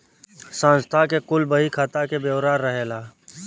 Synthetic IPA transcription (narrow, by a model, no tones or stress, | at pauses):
sãnst̪ʰakekʊlbəɦikʰat̪akebjəwɾaːɾːəɦeːlaː